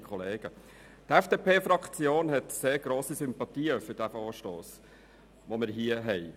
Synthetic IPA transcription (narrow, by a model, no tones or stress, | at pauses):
kʰχɔleːɡ̥ə | tɛfd̥eːpeːfɾɑkt͡sjoːnɦɛtseːɾɡ̥ɾoːsisʏmpɑt̪iːəfʏɾd̥æfoːʃtoːs | ʋomɪɾɦiəɦɛɪ